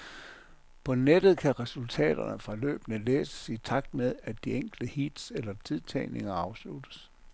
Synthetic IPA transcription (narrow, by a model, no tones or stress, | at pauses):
pʰɒ̽ned̥ð̞̩ˠkʰæʁɛsult͡sʰɛ̰ːd̥ɐ̰nəfʁɑ̈lø̰ːb̥ənəlḛːsə̥sit͡sʰɑ̈ɡ̥̚d̥með̞ˠædd̥ieŋ̰ɡ̥ld̥əhid̥selɐt͡sʰiðˠt͡sʰɛɪne̝ŋɐɑ̈ʊslud̥əs